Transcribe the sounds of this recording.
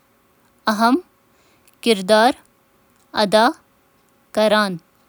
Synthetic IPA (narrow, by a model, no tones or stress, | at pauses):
ɐɦɐm | kɪɾd̪aːɾ | ɐ̰d̪aː | kɐɾaːn